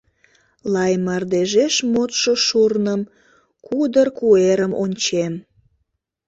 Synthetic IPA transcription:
lɑjmɑrd̪eʒeʃmot̪ʃoʃurnəm | kud̪ərkueɾəmonʲt͡ɕem

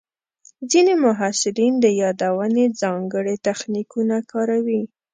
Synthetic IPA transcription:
zinemʊɦɑsɪɾind̪əjɑd̪awəned͡zɑŋɡəɽet̪axnikunakɑɾawi

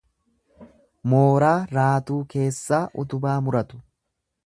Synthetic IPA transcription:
moːɾaːɾaːt̪uːke̞ːsːaːʔʊt̪ʊbaːmʊɾɐt̪ʊ̥

